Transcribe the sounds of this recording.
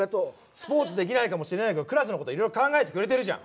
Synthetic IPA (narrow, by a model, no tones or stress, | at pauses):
et̪o | sɨ̥po̞ːt͡sɨd̪e̞kʲinaikamo̞ɕiɾe̞naiked̪okɯ̟ɾas̬ɨno̞kot̪o̞iɾo̞iɾo̞kãŋɡae̞t̪ekɯ̟ɾe̞t̪e̞ɾɯ̟ʑã̰